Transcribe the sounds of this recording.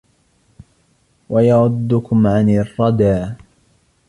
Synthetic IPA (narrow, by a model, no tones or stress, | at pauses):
wajaʕʊd̪ːʊkʊmʕanɪrˤːɑd̪aː